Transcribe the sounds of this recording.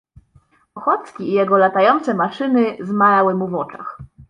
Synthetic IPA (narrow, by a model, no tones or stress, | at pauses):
ɔxɔt̪skʲiːjɛɡɔlat̪ajɔnt̪sɛmaʂɘnɘzmajawɘmuvɔt͡ʂa̰x